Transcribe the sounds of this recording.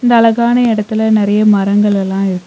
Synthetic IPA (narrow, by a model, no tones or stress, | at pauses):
nd̪ɐːlɐɣaːnɐɪɽɐt̪ːɪlɐnɪɾɐjɐmɐɾɐŋɡɐɭɛlːãːɪɾɯkː